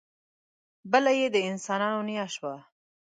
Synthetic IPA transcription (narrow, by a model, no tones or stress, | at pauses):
bəlajed̪əɪnsɑnɑnonijaʃwa